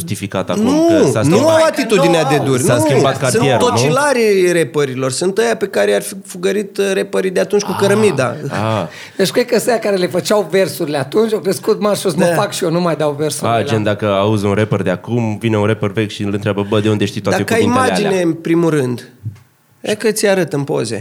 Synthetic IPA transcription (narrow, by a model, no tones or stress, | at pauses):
ʒust̪ifikat̪a̰knusanuawat̪it̪uinead̪ed̪urʲnuebat̪kasɨieɾont͡ʃilaɾirepəɾilo̞rsunt̪əjape̞kaɾearfifuɡəɾit̪ɾe̞pəɾid̪eat̪unt͡ʃʲkukəɾəmid̪aa̰ | d̪et͡ʃkɾekəəsejakaɾele̞fət͡ʃawve̞rsuɾileat̪unt͡ʃjokɾeskut̪̚marʃusməfakʃijenumajd̪awversuad͡ʒend̪akəauzunɾepərd̪eakumvineunɾepərvekʲʃilɨnt̪ɾʲabəbəd̪e̞und̪eʃt̪it̪ad̪aekəaimad͡ʒine̞npɾimurɨnd̪ | akət̪sʲjaɾət̪ɨmpo̞̰ze̞̰